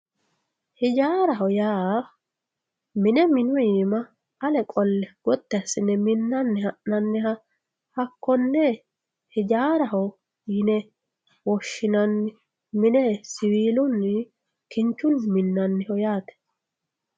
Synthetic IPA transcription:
hɪd͡ʒaːɾɐɦɔjaː | mɪnɛmɪnʊjiːmɐ | ɐlɛkʼɔlːɛɡ̥ɔt̪ːɛɐsɪnɛmɪnːɐnːɛhɐʔnɐnːɛɦɐ | hɐkːɔnːɛ | hɪd͡ʒaːɾɐɦɔ | jɪnɛ | wɔʃːɪnɐnːɪ | mɪnɛsɪwiːlʊnːɪ | kɪnt͡ʃːʊnmɪnːɐnːɛhɔjaːt̪ɛ̥

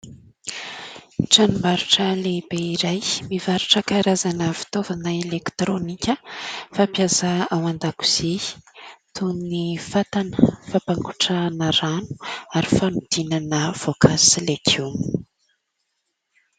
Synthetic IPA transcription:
ʈ͡ʂanumaɾuʈ͡ʂəlebeiɾajmivaɾuʈ͡ʂəkaɾazanəvi̥t̪ovanaelekt̪ɾonikʲəfapiazaawand̪aku̥z̥e̥ | t̪ʰunnifat̪anəfapaŋku̥ʈ͡ʂanəranu̥aɾifanud̪̥inanəv̥okʰasilekʰum

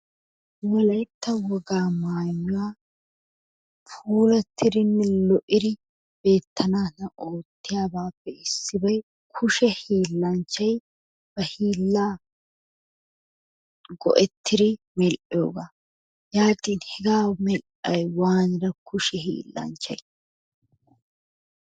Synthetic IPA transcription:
wɔlɐjt̪ːɐwɔɡaːmaːjɲːʊwaː | fuːlɐt̪ʰːɪdɪnːɛlɔʔɪd̪ɪ | b̥e̞ːt̪ʰːɐnaːnɐʔo̞ːt̪ːɪjaːbaːpːɛɪsːɪbɐj | kʰʊʃɛhiːlːɐnt͡ʃːɐj | b̥ɐhiːlːaː | ɡɔ̰ʔɛt̪ʰːɪd̪ɪ | mɛlʔɪjo̰ːɡaː | jaːt̪ʼiːnhɛɡaːwmɛlʔɐjwaːnɪɾɐkʰʊʃɛhḭːlːɐ̰nt͡ʃːɐ̰j

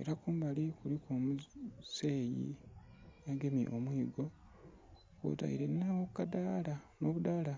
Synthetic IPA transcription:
eɾakuːmbalikuɾikoːmuse̞ːjḭ | jaɡe̞mḭʔomwiːɡo̞ | ko̰ta̰ḭɾennawokːadaːlano̞βudaːla

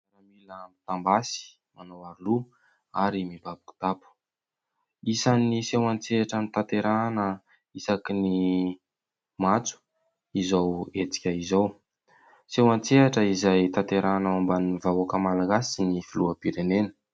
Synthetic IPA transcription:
aɾamilamit̪ambasi̥ | manowaɾulu | aɾimibabiku̥t̪apu̥ | isanisewant͡seaʈ͡ʂanit̪at̪eɾanə | isakini | mat͡su̥ | izawet͡si̥kʲəizaw | sewant͡seaʈ͡ʂəizajt̪at̪eɾanaombanivaakəmalaɡasinifiluəpiɾenenə̥

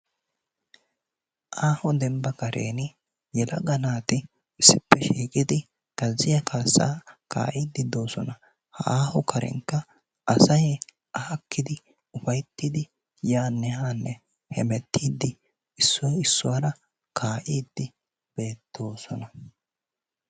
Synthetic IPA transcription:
ʔaːhʊd̪ɛmbɐkɐɾḛːnɪ | jɛlɐ̰ɡɐnaːt̪ɪ | ɪsːɪpːɛʃiːkʼɪd̪ɪ | ɡ̥ɐzːɪjɐkʰaːsːa̰ːka̰ːʔiːd̪ːɪd̪o̞ːsɔnɐ | hɐ̰aːhʊkʰɐɾɛ̰ŋkːɐ | ʔɐsɐj | ʔɐhɐkːɪd̪ɪ | ʊfɐjt̪ːɪd̪ɪ | jaːnːɛhaːnːɛ | hɛmɛt̪ʰːiːd̪ːɪ | ɪsːɔjɪsːʊwaɾɐ | kʰaːʔiːd̪ːɪ | b̥e̞ːt̪ʰːo̞ːsɔnɐ

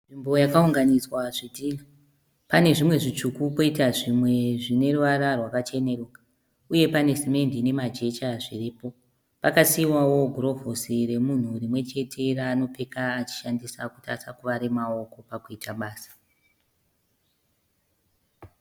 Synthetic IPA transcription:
ʐimbo̞jakauŋɡaniswaʐidiːla | pane̞ʐimwe̞ʐit͡ʂukuko̞itaʐimwe̞ʐine̞ruʋaɾarwakat͡ʃe̞ne̞roːka | uje̞pane̞sime̞ndine̞mad͡ʒe̞t͡ʃaʐiripo̞ | pakasiwawo̞ɡʱro̞vosire̞mun̤urimwe̞t͡ʃe̞tʰe̞raːno̞pe̞kaːt͡ʃi̥ʃandisakuta̰sakuʋaɾemao̞ko̞pakuitaɓaːsḁ

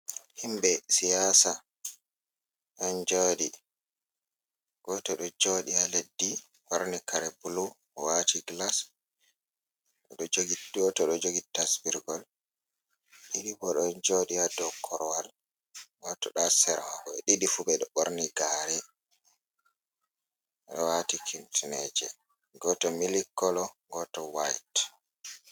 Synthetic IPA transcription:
himbɛsijasa | ɗɔnd͡ʒodi | ɡ̥ɔtɔɗɔd͡ʒoɗialedːi | waɾnikaɾɛbulu | watiɡlas | ɗɔd͡ʒoɡiɡɔtɔɗɔd͡ʒoɡitːasbiɾɡɔl | ɗiɗibɔɗɔnd͡ʒoɗijadɔkʰːɔɾɔwal | watɔɗasɛɾawaɡɔɛɗiɗifubɛɗɔɓoɾniɡaɾɛ | ɗɔ̰watikʰimtinɛd͡ʒɛ̰ | ɡɔtɔmilikːɔlɔɡɔtɔwajt

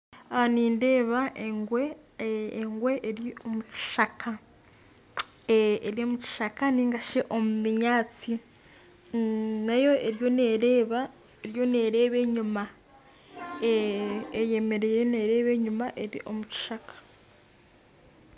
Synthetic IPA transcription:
niːnde̞ːβaŋɡweː | ŋɡwe̞ʔːɾio̞muci̥ʃakʰa | eɾio̞muci̥ʃakaniːŋɡaʃeʔo̞mumiɲaːt͡si | najo̞eɾjo̞neːɾeːβa | eɾjo̞ne̞ːɾe̞ːβe̞ːɲuma | eː | je̞me̞ɾe̞jene̞ɾe̞ːβe̞ːɲumaʔe̞ɾḭʔo̞̰muci̥ʃakḁ

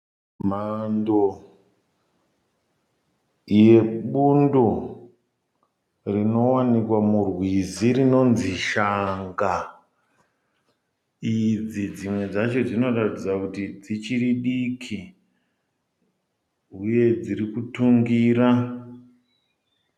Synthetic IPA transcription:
mando | je̞ɓundo | rino̞wanikwamurwiziɾino̞nziʃaŋɡa | id͡zid͡zimwe̞d͡zat͡ʃo̞d͡zino̞ratid͡zakutid͡zit͡ʃiriɗikʰi | ɦuje̞d͡ziɾikutuŋɡiːɾa

